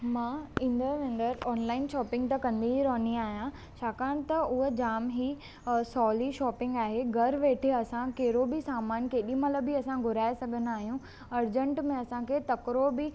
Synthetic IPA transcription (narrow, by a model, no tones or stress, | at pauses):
mãːĩːnd̪əɾʋẽːn̆d̪əɾɔːnlaːɪnʃɔːpɪ̃ŋɡt̪ɐkɐ̃nd̪iɦiɾɔːniaːɦijã | t͡ɕʰaːkaːɽ̃t̪ɐʊɦod͡ʑaːmɦi | sɔːliʃɔːpɪ̃ŋɡaːɦeɡʱɐɾʋeːʈʰeɐsãkeɦɾobisaːmaːnkeːɗĩmɐt̪ləbʱiɐsãɡʱʊɾaːesɐɡʱən̆aːɦijũ | ɐɾd͡ʑə̃ɳʈmẽɐsãkʰeːt̪ɐkɾobɪ